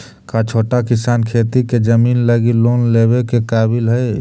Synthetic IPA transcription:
kat͡ʃʰoʈakisaːnkʰet̪iked͡ʒəminləɡilonlebekekaːbilɦəj

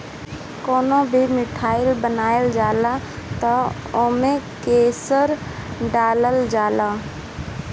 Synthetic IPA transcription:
koːnõbʱimɪʈʰaːɪlbənaːjəld͡ʒaːla | t̪a | oːmẽkeːsəɾ | ɖaːləld͡ʒaːlaː

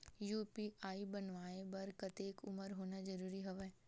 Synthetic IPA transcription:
juːpiʔaːibɐnʋaːebɐɾkɐt̪eːkʊməɾɦoːnad͡ʒɐɾuːɾiɦɐʋe

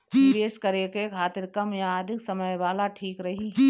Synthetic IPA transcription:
ʋeːskɐɾekekʰaːt̪ɪɾkəmjaːd̪ʱɪksɐməjʋaːlaʈʰiːkɾɐɦiɦɛ

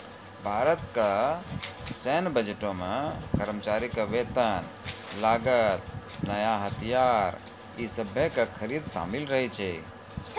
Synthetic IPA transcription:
bʱaːɾət̪ka | senbəd͡ʒəʈõmekəɾmt͡ʃaːɾikaʋet̪ən | laːɡət̪̚ | nəjaɦət̪ʰijaːɾ | isəbʱjekakʰəɾiːd̪ʃa̰milɾəɦɛt͡ʃʰɛ

